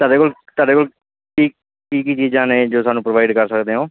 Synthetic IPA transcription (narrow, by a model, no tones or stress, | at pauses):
t̪aːɖeːkoːlt̪aːɖeːkoːl | ʈʰiːk̚ | kiːkit͡ʃiːaːneːd͡ʒoːsaːnũːpɾoʋaːɪɖkəɾsəkd̪eːɦõː